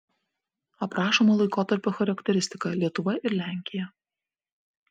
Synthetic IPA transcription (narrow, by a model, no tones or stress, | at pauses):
ɐpɾɑːʃoːmoːlˠɐɪkoːt̪ɐɾʲpʲoːxɐɾɐkʲt̪ʲɛɾʲɪsʲt̪ʲɪkɐlʲiɛt̪ʊʋɐʔɪɾlʲæˑŋʲkʲɪjɛ